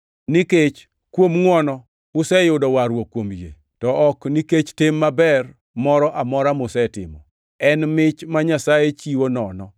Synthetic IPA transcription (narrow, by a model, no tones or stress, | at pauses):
niket͡ʃ | kwomŋwɔnɔ | ʊsɛjʊdɔwaɾwokːwomjḛ | tɔʔɔkniket͡ʃtɪmːabɛr | mɔɾɔʔamɔɾamʊsɛtɪ̰mɔ̰ | ɛnmɪt͡ʃmaɲasajet͡ʃiwonɔnɔ